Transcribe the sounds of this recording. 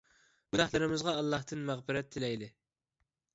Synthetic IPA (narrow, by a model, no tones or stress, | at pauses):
bud̪æhlˠɨɾɪmɪzʁɑːlˠːɑht̪ɨnmæʁbɪɾɛt̪ʰːɪlɛjd̪ɪ